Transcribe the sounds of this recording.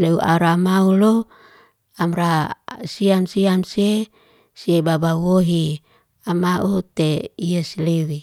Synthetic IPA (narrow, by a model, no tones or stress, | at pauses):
leuʔa̰ɾamaulo | amɾasiamsiamsie | siebabawoɦi | amaʔut̪eiasilewi